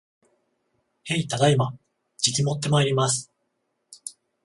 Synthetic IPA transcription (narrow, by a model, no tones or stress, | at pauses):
he̞it̪aɡ̪aima | d͡ʑikʲimo̞t̪̬ːe̞maeɾʲimasɨ̥